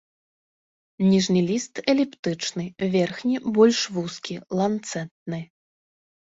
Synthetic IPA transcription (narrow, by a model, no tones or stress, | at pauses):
nʲiʐnɨlʲist̪ɛlʲɛpt̪ɨt͡ʂnɨvʲɛrxnʲibɔlʲʂvuskʲilˠant̪sɛt̪̚nɨ